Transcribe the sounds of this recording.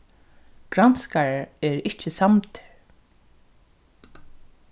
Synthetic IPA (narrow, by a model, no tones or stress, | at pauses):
ɡ̥ɾanskaɹaɹɛɹɪt͡ʃɪsamt̪ʰ